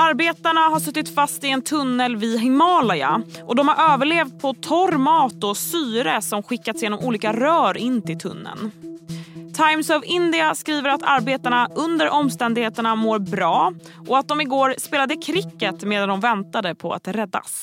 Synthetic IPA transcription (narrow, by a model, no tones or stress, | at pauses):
aɾbeːt̪aɳaɦaʂɵt̪ːɪt̪fast̪ɪɛnt̪ʰɵnːəlvɪɦɪmɑːlaja̰ʔɔd̪ɔmhaɾʔøːvəɭeːvt̪̚pʰɔt̪ʰɔɾmɑːt̪ɔsyːɾəsɔmɧɪkːat̪sjeːnɔmuːliːkaɾœːɾɪnːt̪ɪlt̪ʰɵ̰nːə̰n | t̪ʰajmsɔvɪnd̪ɪaskɾiːvəɾat̪ʰaɾbeːt̪aɳaʔɵnd̪əɾʔɔmːst̪ɛnd̪ɪɡheːt̪əɳamoːɾbɾɑː | ʔɔat̪̚d̪ɔmɪɡoːɾspeːlad̪əkʰɾɪkːət̪meːd̪and̪ɔmvɛnt̪ad̪əpʰɔa̰t̪ɾɛd̪ːa̰s